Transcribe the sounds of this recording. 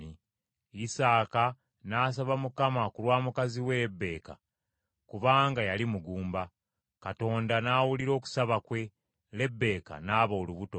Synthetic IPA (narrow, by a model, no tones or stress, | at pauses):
i | isaːka | naːs̬aβamukamakulwaːmukaziwe̞ɾebːe̞ːka̰ | kuβaːŋɡajalimuɡuːmba | kato̞ːndanaːwuliɾo̞ːku̥saβakwe̞ | le̞bːe̞ːka̰naːβoːluβuto̞